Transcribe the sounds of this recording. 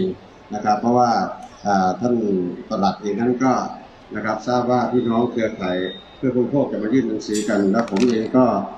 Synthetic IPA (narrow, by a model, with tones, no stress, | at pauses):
ŋ | na˧kʰa˦˥pʰːɔ˧˥waː˧˩ʔaː˨˩t̪ʰa˧˥˨nt̪a˧˩la˨˩t̪̚ʔeː˧ŋna˧˥˨nkɔː˧˥˩ | na˧˥kʰa˦˥p̚saː˥˩p̚waː˧˩t̪ʰiː˧˨nɔː˧˥˩ŋk̪ʰɯ˧ɐkʰa˨˩jpʰɯ˧˥˩ɐkʰuː˧˩˧pʰoː˥˩k̚t͡ɕa˨˧˩maː˧˥jɯː˥˩˨nːa˧ŋsɯː˨˦ka˧nlɛː˦˥˩wpʰo˨˦mʔeː˧ŋkɔː˧˥˩